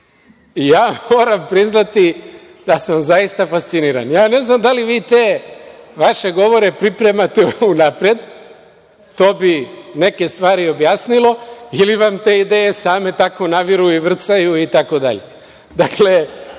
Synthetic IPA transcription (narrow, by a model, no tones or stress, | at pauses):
ijaːmoːɾampɾiznat̪i | d̪̥asamzajist̪afast̪siniːɾa̰njaːne̞znamd̪aliʋiːt̪e̞ːʋaʃe̞ɡo̞ʋo̞ɾe̞pɾipɾe̞mat̪eunapɾed̪ | t̪o̞ːbine̞ke̞st̪ʋaːɾio̞bjaːsnilˠo̞iliʋamt̪e̞ːid̪eje̞saːme̞t̪ako̞naʋiɾujiʋr̩t̪sajuit̪ako̞d̪a̰ʎe̞̰ | d̪akle̞